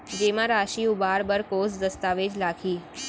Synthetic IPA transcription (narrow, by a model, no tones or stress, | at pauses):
d͡ʒemãɾaːʃiubaːɾbəɾkosd̪əst̪aːʋed͡ʒlakʰiː